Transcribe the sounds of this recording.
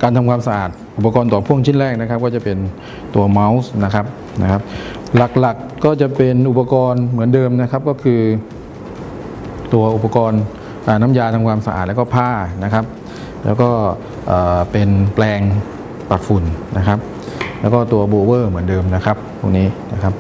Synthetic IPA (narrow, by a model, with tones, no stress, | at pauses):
kaː˧nt̪ʰa˧mkʰaː˧msa˧ʔaː˨˩t̪̚ʔu˨˩pːa˧kɔː˧nt̪ɔː˨˩pʰu˥˩əŋt͡ɕʰi˥˩nlɛː˥˩k̚na˦˥kʰa˦˥p̚kɔː˥˩t͡ɕa˨˩pe˧n | t̪u˧ɐma˦˥wsna˦˥kʰa˦˥p̚ | na̰˦˥kʰa˦˥p̚ | la˨˩k̚la˨˩kːɔː˥˩t͡ɕa˨˩pe˧nʔu˨˩pa˧kɔː˧nmɯ˩˦əndɤː˧mna˦˥kʰa˦˥p̚kɔː˥˩kʰɯː˧ | t̪u˧ɐʔu˨˩pːa˧kɔː˧n | ʔaː˨˩na˦˥mjaː˧t̪ʰaː˧ŋkʰwaː˧msa˧a̰ː˨˩t̪̚lɛː˦˥kːpʰaː˥˩na˦˥kʰa˦˥p̚ | lɛː˦˥wkɔː˥˩ | ʔaː˨˩pe˧nplɛː˧ŋ | pa˨˩t̪̚fu˨˩nna˦˥kʰa˦˥p̚ | lɛː˦˥wkɔː˥˩t̪u˧ɐboː˧wɤː˥˩mɯ˩˦əndɤː˧mna˦˥kʰa˦˥p̚pʰu˥˩ŋniː˦˥na˦˥kʰa˦˥p̚